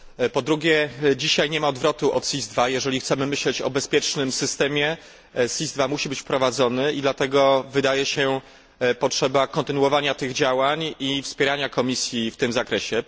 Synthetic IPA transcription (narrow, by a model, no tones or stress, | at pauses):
pɔd̪ɾuɡʲɛd͡ʑiɕajɲɛmaɔd̪vɾɔt̪uʔɔ̰t̪sʲizd̪vajɛʐɛlʲixt̪sɛmɘmɘɕlɛt͡ɕɔ̰bɛspʲjɛt͡ʂnɘmsɘst̪ɛmʲjɛ | sʲizd̪vamuɕibɘt͡ɕfpɾɔvad̪zɔnɘid̪lat̪ɛɡɔvɘd̪ajɛɕɛ | pɔtʂɛbakɔnt̪ɘnuwɔvaɲat̪ɘɣd͡ʑawaɲifspʲjɛɾaɲakɔmʲisʲjift̪ɘmzakɾɛɕɛ